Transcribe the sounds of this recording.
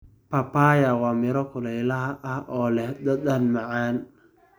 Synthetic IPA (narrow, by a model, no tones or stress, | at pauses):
pʰɐpaːjawɑːmɪɾɔkʰʊlɛjlɐɦɐʔɐhʔɔːlɛhd̪ɐd̪ɐnmɑʕaːn